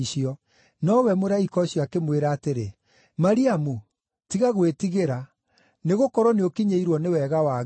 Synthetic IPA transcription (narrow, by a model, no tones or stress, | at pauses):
ɕiɔ | nɔwɛmoɾaikɔɕjɔakemweɾaːteɾe | maɾiamu | tiɣaɣwetiɣeɾa | neɣokɔɾɔneokiɲeiɾwɔnewɛɣawa